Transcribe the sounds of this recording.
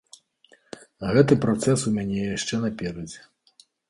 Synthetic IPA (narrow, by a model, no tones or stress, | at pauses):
ɣɛt̪ɨpɾat̪sɛsumʲanʲɛjaʂt͡ʂɛnɐpʲɛɾɐd͡zʲɛ